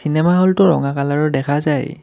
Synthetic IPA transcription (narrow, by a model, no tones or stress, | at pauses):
sinɛmaɦɔltʊɹɔ̰ŋakalaɹɔdɛkʰazaj